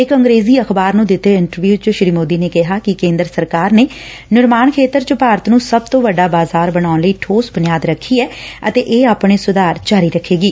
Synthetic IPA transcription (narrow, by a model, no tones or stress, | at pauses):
ɪkəŋɡɾeːziːəxbaːɾnũːd̪ɪt̪ːeːɪɳʈəɾʋjuːt͡ʃəʃɾiːmoːd̪iːneːkɪɦaːkɪkẽːnd̪ɾəsəɾkaːɾneː | nʊɾmaːnkʰeːt̪əɾt͡ʃəpaːɾət̪nũːsəb̚t̪õːʋəɖaːbaːzaːɾbəɽ̃aːʊnləiːʈʰoːsbʊnɪjaːd̪ɾəkʰːiːɛːət̪eːʔeːaːpɳeːsʊd̪aːɾd͡ʒaːɾiːɾəkʰːeːɡiː